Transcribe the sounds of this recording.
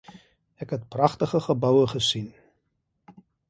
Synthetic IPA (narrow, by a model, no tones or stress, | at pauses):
ɛkɦɛt̚prɐχtəχəχəbɐwəχəsin